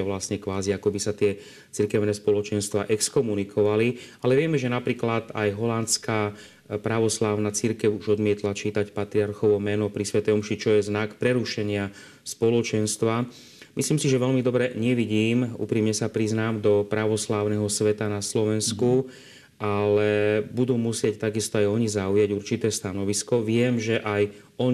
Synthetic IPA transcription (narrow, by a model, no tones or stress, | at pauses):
aʋlasɲɛkʋaːziakɔbisat̪ɪɛ | t͡siɾkɛʊnɛspɔlɔt͡ʃɛnst̪ʋa̰ʔɛkskɔmunikʰɔʋalialɛʋɪɛmɛʒɛnapɾiːklad̪a̰jɦɔlant͡ska | pɾaʋɔslaːʊnat͡siɾkɛwuʒɔd̪mɪɛt̪lat͡ʃiːt̪acpat̪ɾiaɾxɔʋɔmɛnɔpɾisʋɛt̪ɛɔmʃit͡ʃɔjɛznakpɾɛɾuʃɛɲɪa | spɔlɔt͡ʃɛnst̪ʋa | misliːmsiʒɛʋɛʎmid̪ɔbɾɛɲɛʋiɟiːmṵːpɾiːmɲɛsapɾiznaːmd̪ɔpɾaʋɔslaːʊnɛɦɔsʋɛt̪anaslɔʋɛnsku | ʔalɛbud̪uːmusɪɛct̪aɡist̪ɔajɔɲizaujaɟuɾt͡ʃit̪ɛːst̪anɔʋiskɔʋɪɛmʒɛʔaj | ɔɲ